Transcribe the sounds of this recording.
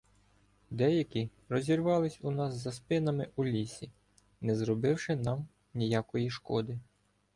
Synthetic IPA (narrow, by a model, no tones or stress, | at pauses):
d̪ɛjɐkʲi | ɾɔzʲirʋɑlˠɪsʲunɑsːɐspɪnɐmɪʔulʲisʲi | nɛzɾɔbɪwʃɪnɑm | nʲijakɔjiʃkɔd̪ɪ